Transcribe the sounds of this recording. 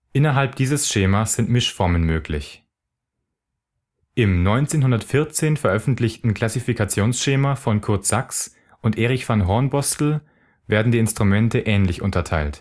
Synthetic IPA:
ʔɪnɐɦalp̚d̥iːzəsʃeːmasz̥ɪntmɪʃfɔɐmənmøːklɪ̰ç | ʔɪmnɔʏnt͡seːnɦʊndɐtfɪɐt͡seːnfɛɐʔœfn̩tlɪçtn̩kʰl̥asifikat͡sjoːnsʃeːmafɔnkʰʊɐtz̥aks | ʔʊntʔeːʁ̞ɪçfanɦɔɐnbɔstl̩ | veːɐdn̩diːɪnstʁ̥umɛntʰəʔɛːnlɪçʊ̰ntɐtʰaɪlt

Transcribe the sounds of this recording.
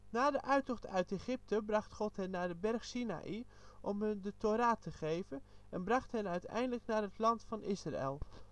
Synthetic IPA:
naːdəʔœɥtɔxtœɥteχɪp̚tʰəbrɑχtχɔtɦɛnːaːdəbɛrxsina̰ʔi | ʔɔmɦəndətʰoɾaːtʰəχeːvəʔɛnbrɑχthɛnœɥtɛ̰jndələknaːrɦətlɑntfɑnʔɪsra̰ḛlˠ

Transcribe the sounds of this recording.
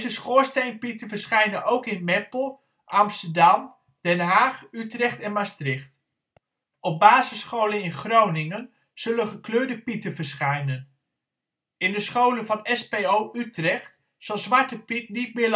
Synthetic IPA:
zəsχʊːɹstejnpitəvəɹsχɛjnənowkɪnmɛplˠ | ʔɑmstəɹdɑm | d̥ɛnɦaːχytrɛχtɛnmastrɪχt | ɔp̚baːzɪsχowlənɪnχrownɪŋən | z̥ɵlənχəkløːɹdəpitəvəɹsχɛjnən | ɪndəsχowlənvɑnɛspeowʔytrɛχt | sɑlˠzʋɑɹtəpitnit̚mɪːɹl

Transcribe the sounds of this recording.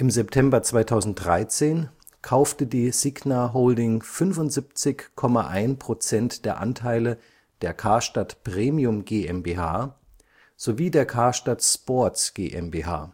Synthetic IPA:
ʔɪmzɛptʰɛmbɐt͡sv̥aɪtʰaʊzn̩t̚d̥ʁaɪt͡seːn | kʰaʊftədiːz̥iɡnaɦoʊldɪŋfʏnfʊntz̥ip̚t͡sɪçkʰɔmaʔaɪnpʁ̥ot͡sɛntd̥eːɐʔa̰ntʰaɪlə | d̥eːɐkʰaːɐʃtatpʁ̥eːmiʊmɡeːɛmbeːhaː | z̥oviːdeːɐkʰaːɐʃtatspɔɐtsɡ̥ḛːʔɛmbeːɦa̰ː

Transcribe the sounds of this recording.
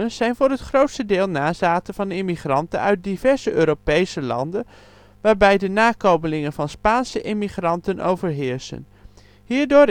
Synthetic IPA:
ənz̥ɛjnvʊːɹɦətχrowtstədɪːlˠnaːzaːtənvɑnɪmiχrɑntənœ̰ɥt̚divɛɹz̥əʔøːɾowpejsəlɑ̰ndən | ʋaːɹbɛjdənaːkowməlɪŋənvɑnspaːnsəʔɪmiχrɑntəno̰wvəɹɦɪːɹsə̰n | ɦiːɹdʊː

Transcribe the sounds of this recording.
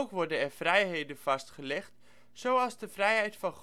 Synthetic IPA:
wkʋɔɹdənɛɹfrɛjɦejdənv̥ɑstχəlɛχt | sowɑlˠzdəfrɛjɦɛjtfɑnχ

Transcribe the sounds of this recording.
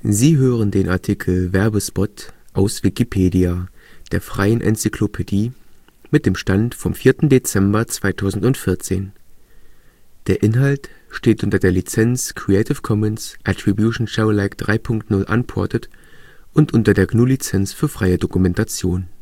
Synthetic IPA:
ziːɦøːʁ̞əndeːnʔa̰ɐtʰikʰl̩vɛɐbəspɔtʔaʊsv̥ikipʰeːdiad̥eːɐfʁ̥aɪənʔɛ̰nt͡sikʰlopʰediː | mɪt̚d̥eːmʃtantfɔmfiːɐtn̩det͡sɛmbɐt͡sv̥aɪtʰaʊzn̩tʊntfɪɐt͡seːn | d̥eːɐʔɪnɦaltʃteːtʔʊntɐdeːɐlit͡sɛnt͡skʰʁ̥iɛɪtɪfkʰɔmɛnsʔatʁ̥ibjuʃn̩ʃaʊlaɪkd̥ʁaɪpʰʊŋktnʊlʔa̰npʰɔɐtətʔʊntʔʊntɐdeːɐɡnuːlit͡sɛnt͡sfyːɐfʁ̥aɪədokumɛntat͡sjoːn

